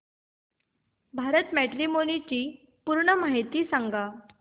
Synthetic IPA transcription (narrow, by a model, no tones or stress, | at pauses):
bʱaɾət̪mæʈɾimonit͡ɕiː | puɾɳəmaɦit̪iːsãŋɡa